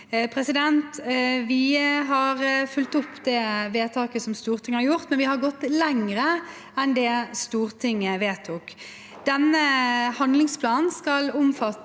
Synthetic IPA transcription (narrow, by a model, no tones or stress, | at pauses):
pʰɾɛsɪd̪ɛnt̪ʋɪɦɑɾfʉlt̪ʊpːd̪ɛʋeːt̪ʰɑːkəsɔmst̪uːʁt̪ʰɪŋːəhɑɾjʊʁt̪mɛnʋɪhɑɾɡɔt̪ːlɛŋɾə | ɛnd̪ɛst̪uːɾt̪ʰɪŋːəʋeːt̪ʰuːk | d̪̥ɛnːəhɑnd̪lɪŋspʰlɑːnnskɑlʊmfɑt̪